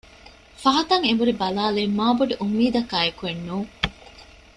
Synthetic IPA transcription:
fɐɦɐt̪ɐŋembuɾibɐlaːleːmaːbuɖeʔumːiːd̪ɐkaːekuenːuːŋ

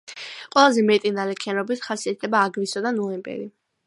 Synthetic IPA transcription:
qʼwɛlˠazɛmɛt̪ʼinalɛkʰianɔbit̪ʰχasiat̪ʰlɛbaːɡlisɔd̪anɔlɛmpʼɛ̰ɾi

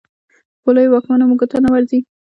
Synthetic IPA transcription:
polojwɑkmanamuɡat̪anawaɾzi

